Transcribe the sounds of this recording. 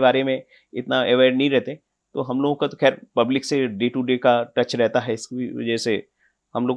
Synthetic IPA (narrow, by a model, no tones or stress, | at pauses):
baːɾemẽ | ɪt̪naeʋaːɪɖnɐɦĩɾɛɦt̪e | t̪oːɦɐmloːɡõkat̪oxɛːɾpɐblɪkseɖeːʈuɖeːkaʈɐt͡ʃɾɛɦt̪aɦɛɪsʋɐ̰d͡ʒɛse | hɐmloːɡ